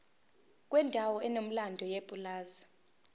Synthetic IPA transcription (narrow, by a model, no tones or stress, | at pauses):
kʼwɛndʱawɔɛnom̩landʱɔjepʼulaːzi